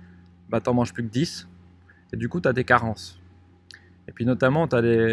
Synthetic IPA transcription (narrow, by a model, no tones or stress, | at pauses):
bat̪ɑ̃mɑ̃ʒplyk̚d̪is | ed̪ykut̪yad̪ekaʁɑ̃s | epɥinɔt̪amɑ̃t̪yad̪e